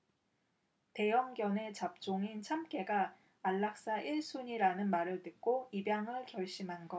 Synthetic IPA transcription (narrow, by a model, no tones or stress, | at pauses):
te̞jʌŋɡjʌne̞t͡ɕap̚t͡ɕ͈oŋint͡ɕʰamk͈e̞ɡaː | ɭːak̚s͈aʔiɭs͈ʰuɲiɾanɯnmaɾɯɭtɯk̚k͈oibjaŋɯɭkjʌɭɕ͈imɦanɡʌ